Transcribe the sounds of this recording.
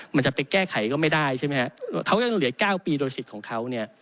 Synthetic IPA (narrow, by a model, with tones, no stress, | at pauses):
ma˧nt͡ɕa˨˩pe˧nkɛː˥˩kʰa˨˩˦jkɔː˥˩ma˥˩jdaː˥˩jt͡ɕʰa˥˩ma˦˥kʰa˦˥kʰa˦˥wja˧ŋlɯ˨˩˦ɐkaː˥˩wpiː˧doː˧jsi˨˩t̪̚kʰɔː˩˦ŋkʰa˦˥wni˥˩ɐ